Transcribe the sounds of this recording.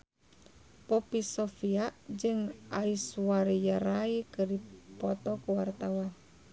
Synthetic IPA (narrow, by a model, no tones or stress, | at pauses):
pɔpisɔfiaʔd͡ʒɨŋaiswaɾijaɾaikɨripɔt̪ɔkuwart̪awan